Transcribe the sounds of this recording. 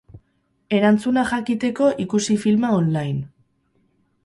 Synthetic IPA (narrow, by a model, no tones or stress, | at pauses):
e̞ɾant͡sunaxakit̪e̞ko̞ʔikusifilmaonlajn